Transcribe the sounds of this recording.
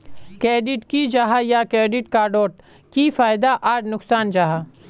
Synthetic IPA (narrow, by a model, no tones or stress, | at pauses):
kɾeːɖɪʈkid͡ʒaɦajakɾeːɖɪʈkaɖoːʈ̚ | kifaːjɪd̪aʔaːɖnʊksaːnd͡ʒaɦa